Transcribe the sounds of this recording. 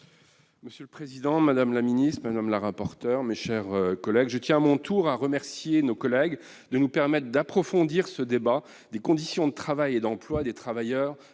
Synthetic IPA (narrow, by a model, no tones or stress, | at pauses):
məsjøləpχezid̪ɑ̃mad̪amlaminist̪χmad̪amlaʁapɔʁt̪œʁmeʃɛʁkɔlɛɡʒət̪jɛ̃amɔ̃t̪ʰuʁaʁəmɛʁsjenokɔlɛɡ | d̪ənupɛʁmɛt̪χd̪apχɔfɔ̃d̪iʁsəd̪eba | d̪ekɔ̃d̪isjɔ̃d̪ət̪χavajed̪ɑ̃plwad̪et̪χavajœːʁ